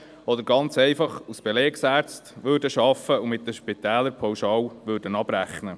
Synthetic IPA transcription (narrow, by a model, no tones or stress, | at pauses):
ɔd̪əɾɡɑnt͡sɛjfɑχusb̥eleːksæːɾt͡stʋøːɾdəʃɑfəumɪt̪̚dəʃpit̪æːləɾpʰɔwʃɑːwʋøːɾdənɑb̥ɾæχnə